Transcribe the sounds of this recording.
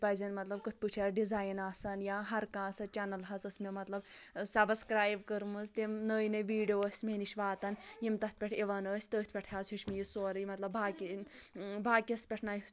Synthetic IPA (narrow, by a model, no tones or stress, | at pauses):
pɐzinmɐt̪lɐb̚kɨt̪̚ʰput͡ʃʰɐɾɖizaːjnaːsɐnjaːɦɐɾkãːsɐt͡ʃanɐlɦɐzɐsmemɐt̪lɐbsɐbskɾaːjbkəɾmɨzt̪emnəːjnɐʋiːɖijoːsʲmeniʃʋaːt̪ɐnjimt̪ɐt̪̚ʰpʲeʈʰiʋɐnəːsʲt̪əːt̪ʰpʲɐʈʰjaːzuʃʲmijisoːɾmɐt̪lɐbbaːkʲi | baːkʲispʲeʈʰnaːj